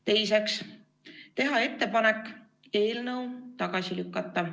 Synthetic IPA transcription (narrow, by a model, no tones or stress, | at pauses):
t̪e̞jse̞ks | t̪e̞ɦɑe̞t̪ːe̞pɑne̞kːˑ | e̞ːlnɤwt̪ɑɡ̥ɑsilykːɑt̪ˑːɑ